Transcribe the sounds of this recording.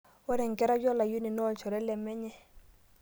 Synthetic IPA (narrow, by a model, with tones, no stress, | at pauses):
ɔ˦nɛ˨ŋ˨kɛ˦ɾa˦jɔ˦la˨ju˦ni˨nɔ˦˨lt͡ʃɔ˨ɾɛ˦lɛ˨mɛ˦ɲɛ˦